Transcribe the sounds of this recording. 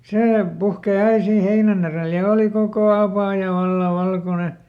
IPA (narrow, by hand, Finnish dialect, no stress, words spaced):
seː puhkeˑ ɑi siːn̞ heinæn ereˑl jɑ oːli kokoˑ ɑpɑˑjɑ ʋɑlːɑ ʋɑlkone